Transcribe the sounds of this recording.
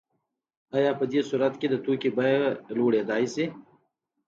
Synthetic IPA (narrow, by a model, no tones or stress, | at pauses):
ajaːpəd̪esuɾɐt̪ked̪ət̪uːkibɐjluːɽeːd̪aːjse